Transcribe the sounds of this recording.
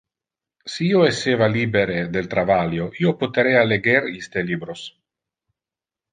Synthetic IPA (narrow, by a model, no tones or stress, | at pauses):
siiːoeseːvaliːbeɾed̪elt̪ɾavaljoʔiopot̪eɾealeɡeɾist̪eliːbɾos